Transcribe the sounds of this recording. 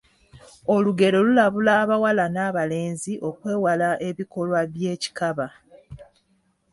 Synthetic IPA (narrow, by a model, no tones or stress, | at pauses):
o̞luɡe̞ɾo̞lulaβulaːβawalanaːβale̞ːnziʔo̞kwe̞ːwalaʔe̞βiko̞lwaβje̞ːci̥kaβa